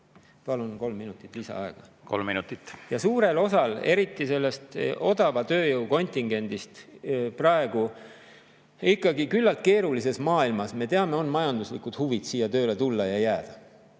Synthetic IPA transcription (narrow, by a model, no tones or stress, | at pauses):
pɑlunko̞lmːinut̪ːˑit̪ːˑlisɑ̰ɑe̞ɡ̥ɑko̞̰lminut̪ːˑit̪ːjɑsuːɾe̞lo̞sɑle̞ɾit̪ːˑise̞lːe̞st̪o̞d̪ɑvɑt̪ø̞ːjɤwko̞nʲt̪iŋɡ̥e̞nʲd̪̥ist̪prɑe̞ɡ̥u | ikːˑɑɡikylːɑlt̪̚ke̞ːɾulis̬e̞smɑːilmɑsme̞t̪e̞ɑme̞o̞nmɑjɑnd̪uslikˑud̪̥huvid̪̥siːjɑt̪ø̞ːle̞t̪ulːɑjɑjæːd̪̥ɑ